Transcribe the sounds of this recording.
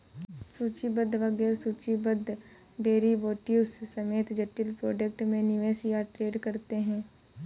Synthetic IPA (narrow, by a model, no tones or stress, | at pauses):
suːt͡ʃibəd̪ʋɐɡɛːɾsuːt͡ʃibəd̪ɖeːɾiʋoːʈjuːsːɐmeːt̪d͡ʒɐʈːɪlpɾoːd͡ʒək̚ʈmẽnɪʋeːsijaʈɾeːɖkɐɾt̪eɦɛ̃ː